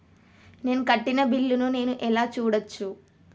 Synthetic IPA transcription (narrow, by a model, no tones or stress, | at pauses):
ne̞ːnukɐʈːinɐbilːunune̞ːnuʔɛlaːt͡ʃuːɽɐt͡ʃːu